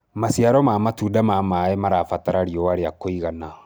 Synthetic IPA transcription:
masiaɾɔmaːmatudamamaɛmaɾafataɾaɾiɔwaɾeakoiɣana

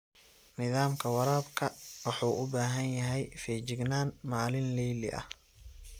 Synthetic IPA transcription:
nɪðaːmkʰɐwɑɾaːbkʰɐwɑħuːʔʊbaːɦɐnjɐɦɛjfɛːt͡ʃɪɡnaːnmaːlɪnlɛjlɪ̰ʔɐ̰h

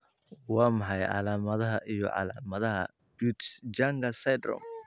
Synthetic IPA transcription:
wɑːmɑħɑjʕɑ̰laːmɐðɐɦɐʔijɔ̰ʕɑ̰laːmɐðɐɦɐ̰ | but̪sd͡ʒaŋɡɐsɛd̪rɔ̰m

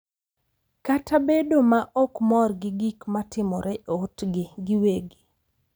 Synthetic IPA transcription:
katʰabedomaʔɔkmɔrɡɪɡikmatɪmɔɾɛʔotɡɪɡɪweɡi

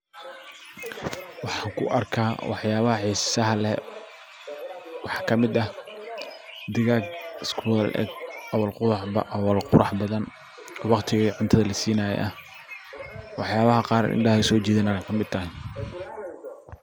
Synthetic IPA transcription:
wɑħɑːŋkʰʊ̰ʔɐrkʰaːwɑħjaːβɐhɐħiːsɐɦɐlɛ | wɑħɑ̥ːkʰɐmɪd̪ɐh | d̪ɪɣaːɡskʰːlʔɛ̰ɡɐwɐlqʊʔwɑlqʊɾɑħbɐðɐn | ɔːwɑqt̪ʰɪɣiʕʊnt̪ʰɐðɐlɐsiːnaːjɛ̰ʔɐh | wɑħjaːβɐɦɐqɑːɾɪ̰nɖɐhɐsɔːt͡ʃiːðɐnɐɛjkʰɐmɪd̪̚t̪ʰɐhɪ

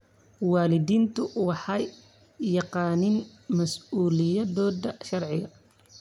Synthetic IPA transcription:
wɑːlɪðiːnt̪ʰʊwɑħɑj | jɑqɑːnɪnmɐsuːlɪjɐðɔːðɐʃɐrʕɪɣɐ

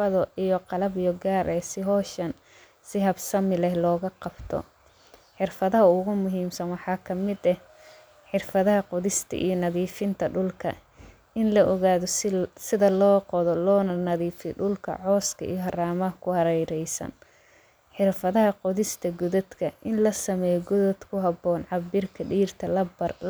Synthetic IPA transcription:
ɐðɔʔijɔqɑlɐbjɔɡaːɾʔɛːsɪɦɔːʃɐn | sɪɦɐbsɐmɪlɛhlɔːɣɐqɑb̥t̪ʰɔ̰ | ħɪrfɐðɐɦɐʊɣʊmʊɦiːmsɐnwɑħɑːkʰɐmɪd̪ɛh | ħɪrfɐðɐɦɐqɔðɪst̪ʰɐ̰ʔḭjɔnɐðiːfɪnt̪ʰɐɖʊlkʰɐ̰ | ɪnlɐʔɔɣaːðɔsɪðɐlɔːqɔðɔlɔːnɐnɐðiːfɪɖʊlkʰɐ̰ʕɔːskʰɐ̰ḭjɔɦɐraːmɐɦɐkʰʊhɐɾɛjɾɛjsɐ̰n | ħɪrfɐðɐɦɐqɔðɪst̪ʰɐɡʊðɐd̪kʰɐʔɪnlɐsɐmɛːjɔɡʊðɔd̪kʰʊɦɑbɔːnʕɑbɪrkʰɐɖiːrt̪ʰɐlɐbɐr

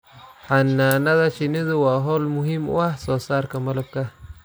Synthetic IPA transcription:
ħɐnːaːnɐðɐʃɪnɪðʊwɑːɦɔːlmʊɦimʊ̰ahsɔːsaːrkʰɐmɐlɐb̚kʰɐ

